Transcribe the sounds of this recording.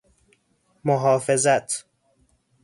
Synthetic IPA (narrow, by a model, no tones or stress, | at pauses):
moɦɒːfezæt̪ʰ